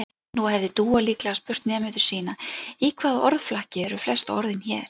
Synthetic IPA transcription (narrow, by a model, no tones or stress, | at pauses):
nuhɛvðɪt̪uːaliːklaaspʏr̥t̪nɛːmʏt̪ʏ̥ɾ̥siːnaikʰvaːðɔɾðflahcɪɛɾʏflɛst̪ɔ̰ɾðɪnçɛːɾ̥